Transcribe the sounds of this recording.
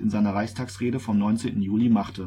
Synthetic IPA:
ɪnzaɪnɐʁaɪçstʰaːksʁ̥eːdəfɔmnɔʏnt͡seːntn̩juːlimaχtə

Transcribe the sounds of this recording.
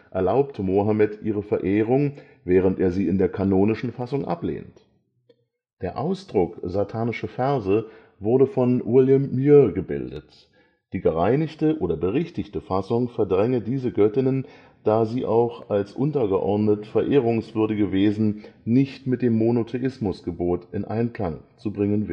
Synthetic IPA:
ʔɛɐlaʊptʰəmoɦamɛtʔiːʁ̞əfɛɐʔeːʁ̞ʊŋ | vɛːʁ̞əntʔeːɐziːɪndeːɐkʰanoːnɪʃn̩fasʊŋʔa̰plḛːnt | d̥eːɐʔaʊsd̥ʁʊkzatʰaːnɪʃɐfɛɐzə | vʊɐdəfɔnwɪljəmːyːɐɡəbɪ̰ldə̰t | d̥iːɡəʁaɪnɪçtəʔoːɾɐbəʁɪçtɪçtəfasʊŋfɛɐdʁɛŋədiːzəɡœtɪnən | d̥aːziːʔa̰ʊxalsʔʊntɐɡəʔɔɐdnətfɛɐʔeːʁ̞ʊŋsv̥ʏɐdɪɡəveːzn̩nɪçtmɪt̚d̥eːmːonotʰeʔɪsmʊsɡ̥əboːtɪnʔa̰ɪnkl̥aŋt͡subʁɪŋənvɪl

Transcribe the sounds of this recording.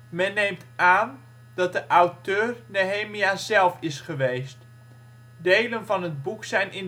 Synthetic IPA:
mɛnːejmtaːn | d̥ɑt̚dəʔawtøːrnoɦejmiaːzɛlˠfɪsχəʋejst | dejlənvɑnɦəd̚buksɛjnɪn

